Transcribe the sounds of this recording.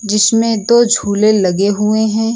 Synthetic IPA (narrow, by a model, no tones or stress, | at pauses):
d͡ʒɪsmẽd̪oːd͡ʒʱuːlelɐɡeɦʊeɦɛ̃ː